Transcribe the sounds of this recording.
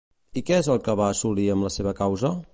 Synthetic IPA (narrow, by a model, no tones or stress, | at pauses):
ikɛezəlˠkəβaːsuliəmləseβ̞əkawzə